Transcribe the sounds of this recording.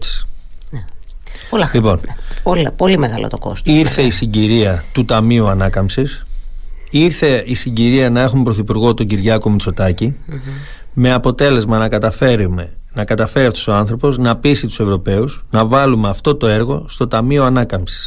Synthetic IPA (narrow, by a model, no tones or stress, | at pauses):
nepolɐlipo̞npolpolimeɣɐlo̰t̪oko̞̰st̪iɾθe̞isiɲɟiɾiɐt̪ut̪ɐmiuɐnɐkɐmsis | iɾθe̞isiɲɟiɾiɐnɐe̞xumepɾo̞θipuɾɣo̞t̪o̞ɲɟiɾʝɐko̞mit͡so̞t̪ɐci | me̞ɐpo̞t̪e̞le̞zmɐnɐkɐt̪ɐfeɾmenɐkɐt̪ɐfe̞ɾiɐft̪o̞so̞ɐnθɾopo̞znɐpisit̪u̥se̞vɾo̞pe̞usnɐvɐlumeɐft̪o̞t̪o̞e̞ɾɣo̞st̪o̞t̪ɐmioɐnɐkɐmsi̥s